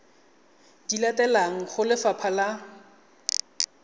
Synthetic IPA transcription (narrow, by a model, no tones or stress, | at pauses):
d̥ilatʼɛlaŋ̩χʊlɪfapʰala